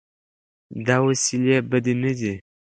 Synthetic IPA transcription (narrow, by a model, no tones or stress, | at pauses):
d̪awasilebəd̪inədi